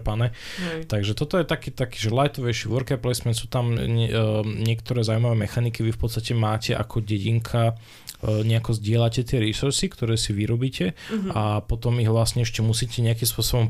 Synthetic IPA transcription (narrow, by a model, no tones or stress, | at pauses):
panɛt̪aɡʒɛt̪ɔt̪ɔjɛt̪akɛːt̪akiːʒɛlajt̪ɔʋɛʃiʋɔɾkɛplɛjsmɛnsuːt̪am | ɲɛkt̪ɔɾɛːzaʊuimaʋɛːmɛxanikiʋifpɔt̪st̪acɛmaːcɛʔa̰kʰɔɟɛɟiŋkʰa | ɲɛakɔzɟɪɛlacɛt̪ɪɛɾisuɾsikt̪ɔɾɛːsiʋiɾɔbiːcɛapɔt̪ɔmiɣʋlasɲɛɛʃcɛmusiːcɛɲɛakimspʊɔsɔbɔm